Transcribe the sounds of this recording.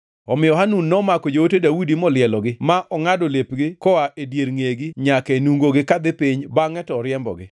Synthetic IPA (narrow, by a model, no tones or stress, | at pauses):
ɔmɪjɔɦanunːɔmakɔd͡ʒootedawidimɔlɪɛlɔɡɪmaʔɔŋadolepɡɪkɔaʔedjeɾŋeɡɪɲakenuŋɡoɡɪkad̪ɪpiɲbaŋɛtɔɾjɛmbɔ̰ɡɪ